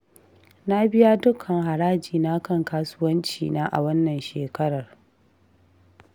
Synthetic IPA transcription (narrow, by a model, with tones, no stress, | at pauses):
na˦bɪ˦ja˦dʊ˦kʰɐ˨ŋɦa˨ɾaː˦d͡ʒiː˨na˦kɐ˦˨ŋkaː˦sʊ˦wɐ˦nt͡ʃḭː˨naː˦ʔa̰˨wɐ˦nːɐ˨nʃeː˨kɐ˦ɽɐ˨r